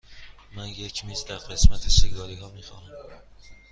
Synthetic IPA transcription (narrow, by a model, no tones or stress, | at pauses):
mænje̞cʰmiːzd̪æɾɢe̞smæt̪ʰesiɡɒːɾiːɦɒːmiːxɒ̰ːnæm